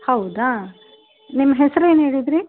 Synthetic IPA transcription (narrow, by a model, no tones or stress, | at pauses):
hɐwd̪a | nimːɐɦesɐɾueːnɦeːɽid̪ɾi